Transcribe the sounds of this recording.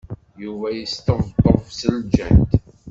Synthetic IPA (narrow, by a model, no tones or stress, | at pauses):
juvæjəst̪əvd̪ˤəɾˤfsəld͡ʒæ̰nt̪